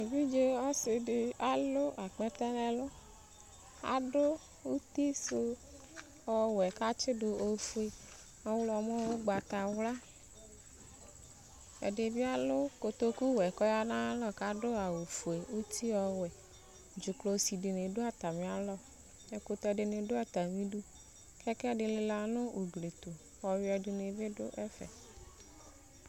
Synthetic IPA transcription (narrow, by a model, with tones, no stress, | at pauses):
e˨vi˦d͡ʒe˦ɔ˦sɪ˨ɖɪ˦a˨lʊ˦ʔa˨k͡pɛ˦t̪ɛ˦nɛ̃˦lɔ˦ | a̰˨ɖo˦ | wu˦t̪i˦so˦ | ɔ˨wɛ˨ka˦t͡ʃɪ˦dʊ˨o˨fu˨e˨ | a˦wlɔ˨m˦ɔ˦wo˦ɡ͡ba˨t̪a˨wla˦ | ḛ˨ɖɪ˨vi˦a˦lʊ˦ko˨t̪o˦ku˦wɛ˨kɔ˦ja˦nã˦lɔ˦ka˦ɖʊ˦a˨wo˨fu˨e˨wu˦t̪ʰi˦ɔ˨wɛ˨ | d͡ʒʊ˨klo˨˦si˨ɖɪ˨nɪ̃˨ɖʊ˦a˨t̪a˨mẽ˨a˨lɔ˦ | e˨ko˨t̪ɛ˨ɖɪ˨nɪ̃˨ɖʊ˦a˨t̪a˨mĩ˦ɖu˦ | kʰɛ˦kɛ˦ɖɪ˨lɪ˨la˨nʊ̃˦wu˨ɡle˨t̪o˨ | wɔ˨wɛ˨ɖɪ˨ne˨vɪ˦ɖʊ̰˦ʔɛ˦fɛ̰˨